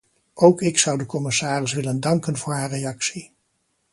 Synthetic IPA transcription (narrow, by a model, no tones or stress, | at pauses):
owkɪksʌwdəkɔmɪsaːrɪsʋɪləndɑŋkənvʊːɹɦaːrejɑksi